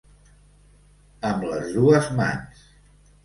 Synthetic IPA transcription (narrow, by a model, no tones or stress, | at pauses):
əmləzðuəzma̰ns